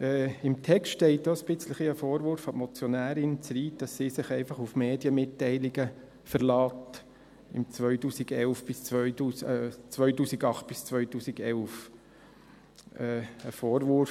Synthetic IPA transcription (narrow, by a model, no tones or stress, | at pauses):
ɛːɪmt̪ʰɛkstʃtɛɪt̚doːəsb̥ɪt͡sləχiəfoːɾʋʊɾfɑmɔt͡sjɔnæːɾɪnt͡sɾiːd̥ɑssiːsɪχɛɪfɑχufmeːdjəmɪtːɛɪlɪɡə | fəɾlɑːt | ɪ̰mt͡sʋœʏtuːsiɡɛlfb̥ɪst͡sʋœʏtuːsɛt͡sʋœʏtuːsɪɡɑχt̚b̥ɪst͡sʋœʏtuːsiɡɛlf | ɛːəfoːɾʋʊɾ